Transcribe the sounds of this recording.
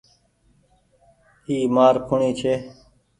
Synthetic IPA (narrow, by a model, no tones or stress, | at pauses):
iːmaːɾkʰʊɳiːt͡ʃʰeː